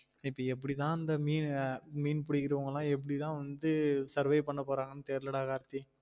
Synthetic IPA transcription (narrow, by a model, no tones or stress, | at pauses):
ɪpːɐɛpːɐɽit̪ãːɐnd̪ɐmiːnmiːnpʊɽɪkːɪɾɐʋɐŋɡɐlãːɛp̬ːɐɽɪt̪ãːʋɐnd̪ɯsɐɾʋɐɪpɐɳːɐpoːɾaːŋɡɐnːɯt̪eːɾlɐɽaːɣaːɾt̪ːĩ